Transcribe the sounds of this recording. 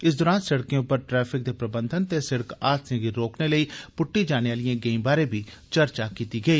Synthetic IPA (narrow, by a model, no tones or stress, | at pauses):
ɪsd̪ɔːɾãːnsɐɽkjẽʊpːəɾʈɾɛːpʰɪk̚d̪eːpɾəbənd̪ʱənt̪eːsɪɽəkaːdsẽŋɡiɾoːkneləiːpʊʈːid͡ʒaːneːʋaːlijãːɡeːimbaːɾẽːbʱiː | t͡ʃəɾt͡ʃakiːt̪iɡəiː